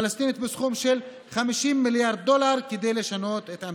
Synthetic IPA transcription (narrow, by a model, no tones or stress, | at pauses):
last̪init̪besχumʃe̞l | χamiʃimːiljaʁd̪̚ːo̞laʁked̪e̞jle̞ʃano̞t̪e̞t̪a